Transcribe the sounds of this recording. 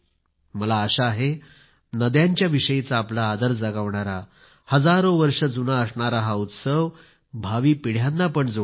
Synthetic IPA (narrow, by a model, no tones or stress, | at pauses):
məlaəɕaːɦe | nəd̪jaɲt͡ɕjaʋiɕəjit͡saːplaːd̪əɾd͡zaɡaʋɳaɾa | həd͡zaɾoʋəɾʂəd͡zunaəsɳaɾaɦaut̪səʋ | bʱaʋiːpiɽ̤janːapəɳd͡zo